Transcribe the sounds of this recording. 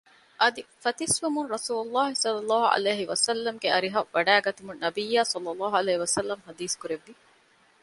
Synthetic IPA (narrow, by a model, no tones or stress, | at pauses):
ʔɐd̪ifɐt̪isʋumunɾɐsuːlulːaːɦisɐlːɐlːɑːɦuʔɐ̰leːɦiʋɐsɐlːɐmɡeɐɾiɦɐʋɐɖæːɡɐt̪umunːɐbijːaːsɐlːɐlːɑːɦuɐleːɦiʋɐsɐlːɐmɦɐd̪iːskuɾeʋːi